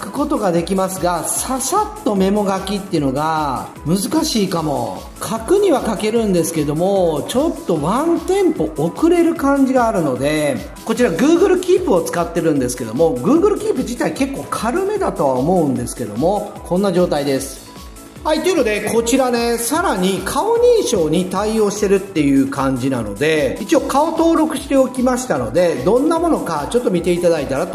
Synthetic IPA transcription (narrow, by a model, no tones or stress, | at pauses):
kɯ̟̥ko̞t̪o̞ɡad̪e̞kʲimasɨɡasasat̪ːo̞me̞mo̞ɡakʲit̪ːeɯ̟no̞ɡa | mɯ̟zɨkaɕiːkamo̞̰ | kʰakɯ̟ɲ̟iβakake̞ɾɯ̟̃nd̪e̞sɨ̥ke̞d̪o̞mo̞t͡ɕo̞t̪ːo̞βãnt̪ẽ̞mpo̞ːkɯ̟ɾe̞ɾɯ̟kãɲ̟d͡ʑiɡaːɾɯ̟no̞d̪e̞ | kot͡ɕiɾaɡɯ̟ːɡɯ̟ɾɯ̟kʲiːpɯ̟o̞t͡sɨ̥kat̪ːe̞ɾɯ̟̃nd̪e̞sɨ̥ke̞d̪o̞̰mo̞ɡɯ̟ːɡɯ̟ɾɯ̟kʲiːpɯ̟d͡ʑit̪aike̞kːo̞ːkʰaɾɯ̟me̞d̪at̪o̞βaomo̞ɯ̟̃nd̪e̞sɨ̥ke̞d̪o̞̰mo̞kʰõ̞nːaʑo̞ːt̪aid̪e̞sɨ̥ | hait̪ːe̞iɯ̟nod̪e̞kʰo̞t͡ɕiɾane̞saɾaɲ̟ikʰao̞ɲ̟iːɕo̞ːɲ̟it̪aio̞ːɕi̥se̞ɾɯ̟t̪ːe̞jɯ̟ːkãɲ̟d͡ʑina̰no̞̰d̪e̞it͡ɕio̞kao̞t̪o̞ːɾo̞kɯ̟ɕi̥t̪e̞o̞kʲimaɕi̥t̪ano̞̰d̪e̞d̪õ̞nːamo̞no̞kat͡ɕo̞t̪ːo̞mʲit̪e̞it̪ad̪ait̪aɾat̪o